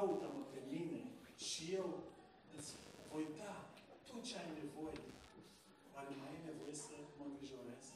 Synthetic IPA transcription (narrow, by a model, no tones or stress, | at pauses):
ut̪aməpemineʃijew | ət̪svo̞jt̪at̪ot̪̚t͡ʃeajne̞vo̞je | armajinevojesəməmɡɾiʒo̞ɾes